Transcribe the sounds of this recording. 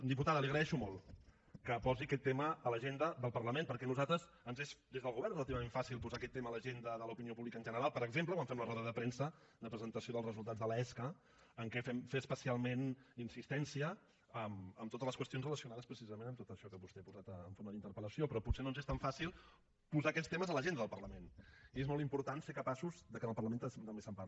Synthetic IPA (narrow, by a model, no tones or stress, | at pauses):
d̪iput̪aðəliəɣɾəðɛʃumolˠ | kəpɔziəkɛt̪ːeməːləʒend̪əd̪əlˠpəɾləmẽnpəɾkɛnuzat̪ɾəz | ənzezd̪ezðəlˠɣuβɛɾnəlˠt̪̬iβəmeɱfasilˠpuzakɛt̪ːemələʒend̪əðələupiniopuβlikənʒənəɾalˠpəɾəɡzemp̬ləkwãɱfɛmlərɔðəðəpɾensə | d̪əpɾəzənt̪əsioðəlˠrəzulˠt̪ad͡zðəlɛskəː | ŋkɛfɛmfeəspəsialˠmeninsist̪ɛnsiə | əməmt̪ot̪əzləskwəst̪ionzrələsiunaðəspɾəsizəmenəmt̪ot̪əʃɔkəaβust̪ɛapuzat̪əːɱfoməðint̪əɾpələsiopɾɔputsenonzest̪aɱfasilˠ | puzaəkɛt̪st̪eməzələʒend̪əðəlˠpəɾləmeniezmɔlˠt̪impuɾt̪ansekəpasuzd̪əkənəlˠpəɾləment̪mt̪əmbesəmpai